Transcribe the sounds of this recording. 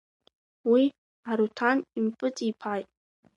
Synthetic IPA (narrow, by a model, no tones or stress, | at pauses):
wi | aɾutʰanimpʼɨt͡sʼipʰajtʼ